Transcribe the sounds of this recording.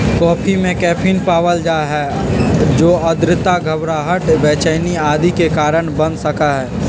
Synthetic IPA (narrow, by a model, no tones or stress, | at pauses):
kɔːpʰimẽkɛːpʰinpaːʋəld͡ʒaɦɛː | d͡ʒoːəd̪ɾɪt̪aɡʱəbɾaɦəʈʋɛːt͡ʃəɪniaːd̪ʱikekaːɾəɳbə̃nd̪səkaɦɛː